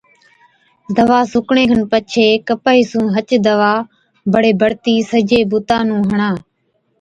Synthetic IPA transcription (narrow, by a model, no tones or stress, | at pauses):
d̪əʋaːsʊkɳẽːkʰənpət͡ʃʰeːkəpaːiːsũːɦət͡ʃd̪əʋaː | bəɽeːbʱəɽt̪iːsəd͡ʒeːbʊt̪ãːnũːɦəɳãː